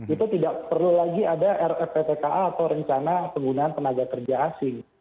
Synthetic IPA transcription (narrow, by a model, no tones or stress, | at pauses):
it̪ut̪idaʔpərlulaɡiadaʔɛrɛpep̪ekaʔaːt̪awɾəɲt͡ʃanapəŋɡunaant̪ənaɡakərd͡ʒaːsɪŋ